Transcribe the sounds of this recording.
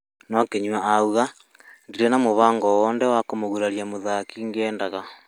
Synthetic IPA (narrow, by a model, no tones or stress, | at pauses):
nɔkeɲwaauɣa | ndiɾenamoβaːŋɡɔwɔːndɛwakomoɣuɾaɾjamoðakiŋɡɛːndaɣa